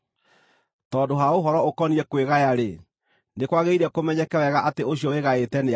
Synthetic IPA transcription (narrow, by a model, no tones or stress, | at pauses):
tɔːdoɦaoɦɔɾɔokɔniɾɛkweɣajaɾe | nekwaɣeiɾɛkomɛɲɛkɛwɛɣaʔateoɕiɔweɣaetɛne